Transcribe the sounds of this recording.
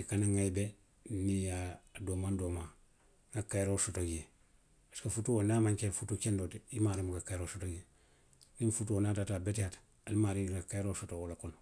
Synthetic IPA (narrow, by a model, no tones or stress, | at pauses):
ikanaŋajbe | nijadomandoːma | ŋɡakajɾosotoɡe | askafutuwonamaɲkenfutukendotimaːɾimuɡakajɾosotoɡe | ninfutuwonatatabetihat | alimaːɾiɡakajɾosotowolakon